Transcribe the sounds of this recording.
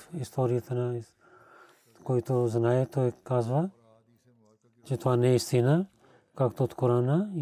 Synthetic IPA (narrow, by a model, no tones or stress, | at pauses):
ɪst̪oːɾijt̪ʰna | koːit̪ozɐnaːjet̪oekːaːzʋa | t͡ʃit̪oaneɪst̪ina | kakt̪ot̪koɾaːna